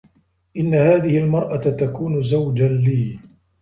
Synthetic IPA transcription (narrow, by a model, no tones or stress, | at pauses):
ʔɪnːahaːðɪhɪlmɑɾˤʔat̪akuːnʊzawd͡ʒaliː